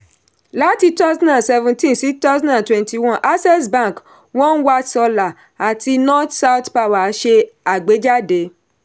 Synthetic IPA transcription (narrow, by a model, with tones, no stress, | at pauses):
la˨˦ti˧ta˦snã˨sɛ˧vũ˧tĩ˦nsi˨˦ta˦sã˦nã˨twɛ̃˨nti˨wɔ̃˦˨ʔa˦sɛ˦sbã˦˨k | wɔ̃˦ñ̩˦wa˧sɔ˧la˨ | a˨ti˧nɔ̃˦tsa˦wtpa˧wa˨˦ʃe˧a˨ɡ͡be˨˦d͡ʒa˦de˨˦